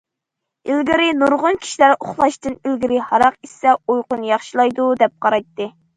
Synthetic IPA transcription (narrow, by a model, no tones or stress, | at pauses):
ilɡʲɪɾɪnuɾʁʊnkʲʰi̥ʃilæɾoχlˠɑʃt̪ɨnilɡʲiɾɪhɑɾɑqisɛojqʊnjɑχʃilˠɑjd̪ud̪ɛp̚qʰɑɾɑjt̪ːɨ